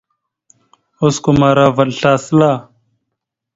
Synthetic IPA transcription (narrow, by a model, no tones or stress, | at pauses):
ʊskomaːɾaːʋəlɬaːslaː